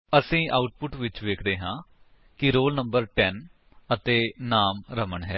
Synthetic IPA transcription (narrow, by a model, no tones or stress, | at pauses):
əsĩːʔaːʊʈ̚pʊʈʋɪt͡ʃʋeːkʰd̪eːɦãː | kɪɾoːlnəmbəɾʈɛːn | ət̪eːnaːmɾəməɳɦɛː